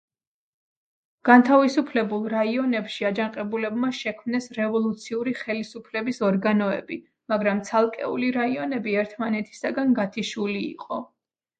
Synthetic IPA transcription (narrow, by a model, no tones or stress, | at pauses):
ɡ̥ant̪ʰavisupʰlɛbulˠɾaiɔnɛpʃiad͡ʒanqʼɛbulɛbmaʃɛkʰmnɛsɾɛvɔlˠut̪sʰiuɾiχɛlisupʰlɛbisɔɾɡanɔɛ̰bi | maɡɾamt̪sʰalˠkʼɛ̰ṵliɾaiɔnɛbiɛɾt̪ʰmanɛt̪ʰi̥saɡanɡat̪ʰiʃulḭːqʼɔ